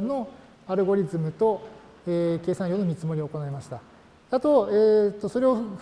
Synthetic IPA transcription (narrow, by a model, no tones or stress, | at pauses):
no̞ | aɾɯ̟ɡo̞ɾʲizɨmɯ̟t̪o̞ | eke̞ːsãɰ̃jo̞ːno̞mʲit͡sɨmo̞ɾʲio̞ːko̞naemaɕi̥t̪a | at̪o̞eːt̪ːo̞so̞ɾe̞o̞